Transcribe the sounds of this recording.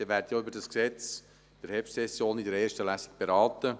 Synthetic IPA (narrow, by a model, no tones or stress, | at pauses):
iʋæːɾdəjoybəɾdɑsksɛt͡s | d̥ɛɾhɛfsɛsjoːnidɛɾɛːʃtəlæsi̥k̚b̥eɾɑːtə